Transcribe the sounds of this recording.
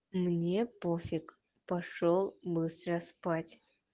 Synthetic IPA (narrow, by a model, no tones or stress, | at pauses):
mnʲepofʲɪk | pɐʂolˠbɨst̪ɾəspatʲ